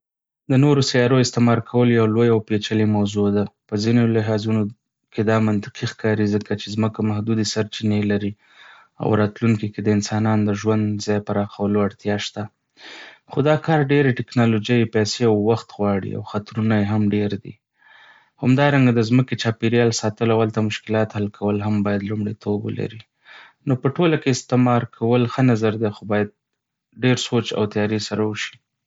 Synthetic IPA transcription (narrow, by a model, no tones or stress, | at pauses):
d̪ənoɾosajɑɾoɪst̪ɪmɑɾkʰawəlojawlojawpet͡ʃalemawzod̪apəzinolɪɦɑzuno | ked̪ɑmant̪ɪ̥qʰixkɑɾizəkat͡ʃezməkamahd̪ud̪esaɾt͡ʃinelaɾi | a̰wɾɑt̪luŋkiked̪əɪnsɑnɑnd̪əʒwand̪zɑjpaɾɑxawəloaɽt̪jɑʃt̪a | xod̪ɑkɑɾɖeɾeʈɪknɑlod͡ʒajepɛjseawːaxt̪ɣwɑɽḭa̰wxat̪ɾunajeɦamɖeɾd̪ḭ | hamd̪ɑɾaŋɡad̪əzməket͡ʃɑpeɾjɑlsɑt̪əlawalt̪amʊʃkɪlɑt̪halkʰawəlɦambɑjad̪lumɽet̪ʰobə̰la̰ɾi | nopəʈolakeɪst̪ɪmɑɾkʰawəlxənazaɾd̪exobɑjad̪̚ | ɖeɾsot͡ʃa̰wt̪ajɑɾesaɾawəʃi̥